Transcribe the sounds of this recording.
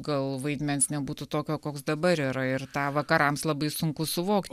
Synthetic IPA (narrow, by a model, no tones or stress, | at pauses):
ɡɐlˠʋɐɪd̪ʲmʲɛnsnʲɛbuːt̪ut̪oːkʲoːkoːksd̪ɐbɐɾiːɾɐɪrt̪ɑːʋɐkɐɾɐmslˠɐbɐɪsʊŋkʊsʊʋoːkt̪